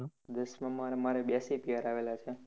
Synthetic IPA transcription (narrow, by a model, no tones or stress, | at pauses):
d̪əsmãmaɾmaɾebjasepijaɾaʋelat͡ʃʰe